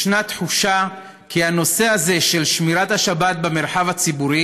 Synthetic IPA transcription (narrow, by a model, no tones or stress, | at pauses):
ʃnat̪ħuʃa | kʰiano̞se̞azeʃe̞lʃmiʁathaʃabat̚bemeʁħavat͡sibuʁi